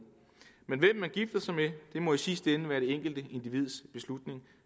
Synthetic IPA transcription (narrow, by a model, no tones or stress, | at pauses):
menʋem̰mːænɡ̥ifd̥ɐsɑ̈ɪmed̥e̝mɒ̽isisd̥enəʋæːɐɾ̥e̝eŋ̰ɡ̥l̩d̥əe̝nd̥iʋið̞̰ˠsb̥e̝slud̥ne̝ŋ